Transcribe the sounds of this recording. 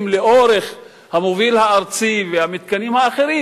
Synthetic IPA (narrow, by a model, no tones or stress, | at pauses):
mleoɾe̞χ | hamovilhaːɾt͡sivehamit̪̚kanimhaːχe̞ɾi